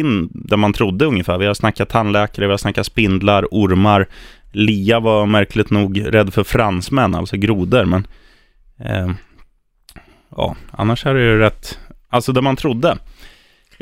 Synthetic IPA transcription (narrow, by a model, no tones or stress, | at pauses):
ɪnːd̪ɛnmant̪ʰɾʊd̪ːəɵŋːəfæːɾvɪhad̪snakːat̪ʰːanlɛːkaɾəvɪhad̪snakːaspɪnd̪laɾʊɾmaɾliːavamæɾklɪt̪nuːɡɾɛd̪ːfœɾfɾansmɛnːa̰lsɔɡɾuːd̪əɾmɛn | ɑ̰ːʔa̰nːaʂæɖɛjɛɾɛt̪ːalsɔd̪ɛmant̪ʰɾʊd̪ːə